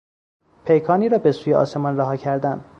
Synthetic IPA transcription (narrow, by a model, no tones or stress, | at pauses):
pʰe̞jkʰɒːniːɾɒːbe̞suːjeʔɒ̰ːse̞mɒnræɦɒːcʰæɾd̪ænd̪